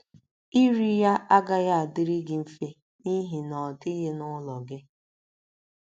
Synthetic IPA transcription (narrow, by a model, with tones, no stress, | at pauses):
i˦ɾi˦ja˦ʔa˦ɡa˦ja˦a˨dɪ˦ɾi˦ɡɪ˨m̩˦fe˦ | ni˦ɦi˨nɔ˨tɪ˦ɦe˦nʊ˦lɔ˨ɡɪ˦